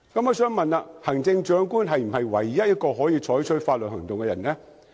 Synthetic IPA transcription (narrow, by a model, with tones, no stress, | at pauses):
kɐ˨˥mɔː˨˧sœː˨˥ŋmɐ˨naː˧hɐ˨˩ŋt͡sɪ˧ŋt͡ʃœː˨˥ŋkuː˥nɦɐ˨jm̩˨˩hɐ˨jwɐ˨˩jːɐ˥t̚jɐ˥t̚kɔː˧ɦɔː˨˥jiː˧t͡ʃʰɔː˨˥jt͡ʃʰɵ˥faː˧t̚lə˨hɐ˨˩ŋt̪ʊ˨ŋkɛ˧jɐ˨˩nɛ˥